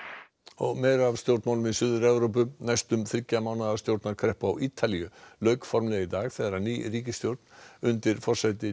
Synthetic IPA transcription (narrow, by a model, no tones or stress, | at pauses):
ɔɣmejɾav̥st̪jowɾt̪mawlʏmɪðsʏːðʏɾɛvɾowp̬ʏnajst̪ʏmθɾɪcːamawnaðast̪jowɾt̪naɾkʰɾɛhpʏawʔiːt̪ʰaliʏlœɥkfɔɾmlɛɣit̪aːɣθɛðɾaniːriːcɪst̪jowɾt̪̚nʏnt̪ɪɾfɔr̥sajt̪ɪ